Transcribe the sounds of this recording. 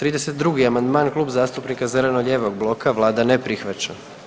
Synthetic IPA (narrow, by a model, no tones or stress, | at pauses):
t̪ɾiːd̪e̞se̞t̪d̪ɾuɡiamand̪maːnklˠuːbzaːst̪upnikazele̞noʎe̞ːʋoɡblˠo̞kʰaʋlˠaːd̪anepɾixʋat͡ɕa